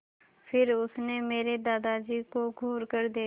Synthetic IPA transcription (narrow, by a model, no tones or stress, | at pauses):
fʰɪɾʊsnemeːɾed̪aːd̪ad͡ʒiːkoɡʱuːɾkəɾd̪eː